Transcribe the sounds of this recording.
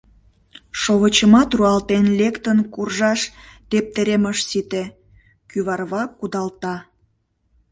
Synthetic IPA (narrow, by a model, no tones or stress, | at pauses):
ʃoβət͡ɕəmɑt̪ruɑlt̪enlʲekt̪ənkurʒɑʃt̪ep̚t̪eɾeməʃsit̪e | kyβɑrβɑkːud̪ɑlt̪ɑ